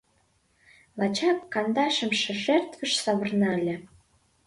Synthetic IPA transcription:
lɑt͡ɕɑkːɑnd̪ɑʃə̆mʃĕʒert̪və̆ʃsɑβə̆rnɑlʲĕ

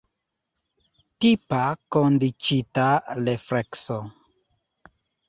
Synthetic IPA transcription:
tipakondit͡ʃitalefɾekso

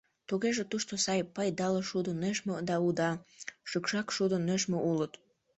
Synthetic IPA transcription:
t̪uɣeʒet̪uʃt̪osɑjpɑjd̪ɑləʃud̪oneʃmod̪ɑud̪ɑʃykʃɑkʃud̪əneʃmoʔulət̪

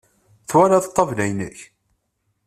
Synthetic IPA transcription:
θwæɾaðt̪ˤːɑvlæjnə̰ç

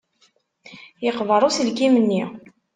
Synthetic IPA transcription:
jəqvəɾˤusilɡimənːi

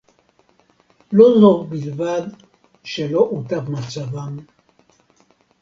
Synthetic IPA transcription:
lozovbilvad̪ | ʃelo̞ʔut̪avmat͡savam

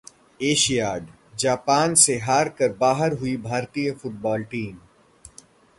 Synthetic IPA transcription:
eːʃijaːɖ | d͡ʒaːpaːnseɦaːɾkəɾbaːɦəɾɦʊibʱaːɾt̪ijəfʊʈ̚bɔːlʈiːm

